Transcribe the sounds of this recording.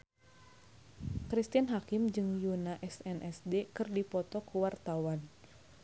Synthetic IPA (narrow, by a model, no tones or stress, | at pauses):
kɾist̪ianɦakɪmd͡ʒɨŋjunaʔɛsɛnʔɛsdekɨrdipɔt̪ɔkuwart̪awan